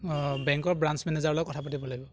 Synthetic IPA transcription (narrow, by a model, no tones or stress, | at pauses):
bɛŋkɔɹbɹansmɛnezaɹlɔjkɔtʰapatibɔlaɡibɔ